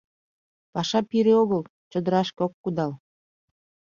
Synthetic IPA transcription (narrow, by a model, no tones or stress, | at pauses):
pɑʃɑpiɾeoɣəl | t͡ɕəd̪əɾɑʃkeokːud̪ɑl